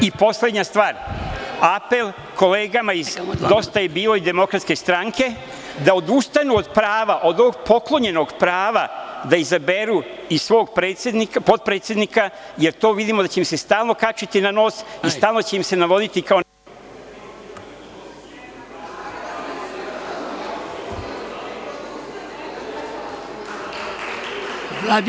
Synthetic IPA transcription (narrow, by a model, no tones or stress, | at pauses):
ipo̞sle̞d̪ɲast̪ʋaːɾape̞l | kʰo̞le̞ːɡamaizd̪o̞st̪aje̞biːlo̞id̪e̞mo̞kɾat̪ske̞st̪ɾaŋke̞ | d̪ao̞d̪ust̪anuod̪pɾaːʋaʔo̞d̪ooɡpo̞klˠo̞ɲe̞no̞ɡpɾaːʋad̪aizabe̞ɾuisʋo̞ːɡ̚pɾe̞ːt̪sjed̪nikapo̞t̪̚pɾet̪sje̞d̪nika | je̞ɾt̪o̞ːʋid̪imod̪at͡ɕe̞imse̞st̪aːlˠno̞kat͡ʃit̪inano̞ːsist̪aːlˠno̞t͡ɕeimse̞naʋo̞d̪it̪ikao